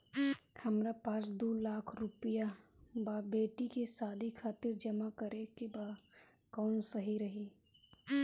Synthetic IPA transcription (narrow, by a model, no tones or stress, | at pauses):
hɐmɾapaːsd̪oːlaːkʰɾʊpijabaːbeːʈikesaːd̪ʱikʰaːt̪ɪɾd͡ʒɐmakəɾekebaːd | kɔːnsəɦiɾɐɦiː